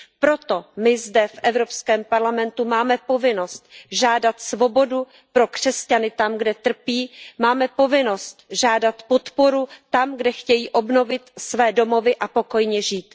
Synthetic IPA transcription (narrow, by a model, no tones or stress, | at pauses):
pɾo̞t̪o̞mɪzdɛfʔɛvɾo̞pskɛːmpaɾlamɛnt̪umaːmɛpo̞vɪno̞st̪̚ʒaːdat̪svo̞bo̞du | pɾo̞kr̝̥ɛscanɪt̪amɡdɛt̪r̩piːmaːmɛpo̞vɪno̞st̪ʒaːdat̪po̞t̪po̞ɾut̪amɡdɛxcɛjiːʔo̞bno̞vɪt̪svɛːdo̞mo̞vɪʔapo̞ko̞jɲɛʒiːt̪